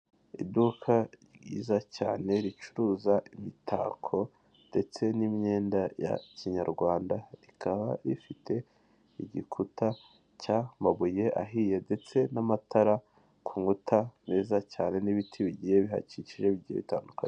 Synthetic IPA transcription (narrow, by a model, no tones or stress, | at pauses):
ḭdukʰaɡḭːzacaːne̞ɾit͡ʃuɾuːzaʔimitʰa̰ːkʰo̞ | nde̞t͡se̞nimɲe̞ːndaja̰ciɲaɾɡwaːndaɾikʰaβa̰ɾifitʰe̞ | iɟikʰutʰa | camaβuje̞ʔa̰ɦiːje̞nde̞t͡se̞namatʰaɾa | kʰuːŋɡutʰameːzacaːne̞niβitʰiβiɟije̞βiɦa̰ciciʒe̞βiɟihḛβitaːnduka̰n